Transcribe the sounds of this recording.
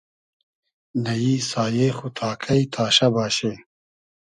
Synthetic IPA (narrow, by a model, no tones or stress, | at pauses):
nɐjisaːjeːxut̪ʰaːkʰɐit̪ʰaːɕɐbaːɕe